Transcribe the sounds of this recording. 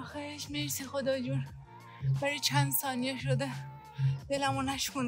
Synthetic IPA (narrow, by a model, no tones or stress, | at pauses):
ɔxeeʃmesexod̪ɒːd͡ʒuɾ | bæɾit͡ʃʰænd̪sɒːnijeʃod̪e | d̪̥elæmunæʃkun